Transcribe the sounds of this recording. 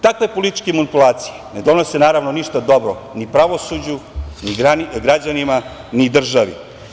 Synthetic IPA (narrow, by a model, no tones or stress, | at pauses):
t̪akʋe̞polit̪i̥t͡ʃkemanipulˠaːt̪si̥jened̪o̞nosenaːɾaʋnoniʃt̪ad̪o̞bɾonipɾaʋo̞sud͡ʑuniaɡɾad͡ʑanima | nid̪r̩ʒaʋḭ